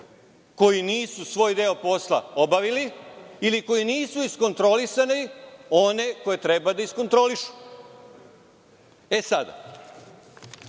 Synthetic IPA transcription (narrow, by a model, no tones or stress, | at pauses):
ko̞jiniːsusʋo̞ːjd̪eo̞po̞sla̰o̞baʋiliiliko̞jiniːsuisko̞nt̪ɾo̞lisaneo̞ne̞ko̞je̞t̪ɾe̞bad̪aisko̞nt̪ɾo̞liʃu̥ | e̞sad̪a̰